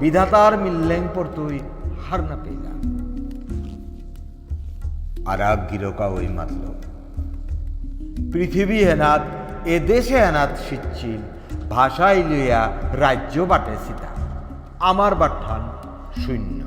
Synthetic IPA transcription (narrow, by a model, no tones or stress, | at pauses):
bid̪ʱat̪aɾmilːeŋpɔɾt̪uj | haɾnapḛjla̰ | a̰ɾakɡiɾokaojma̰t̪lo̰b | pɾit̪ʰibiɦenat̪ | ed̪eʃeɛnat̪ʃitːɕʰil | bʱaʃajlojaɾajd͡ʑobaʈesit̪a̰ | amaɾbaʈʰːan | ʃujnːo̰